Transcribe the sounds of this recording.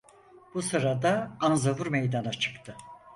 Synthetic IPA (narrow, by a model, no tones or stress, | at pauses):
b̥usɯɾad̪aanzavuɾmejd̪anat͡ʃʰɯ̥kt̪ʰɯ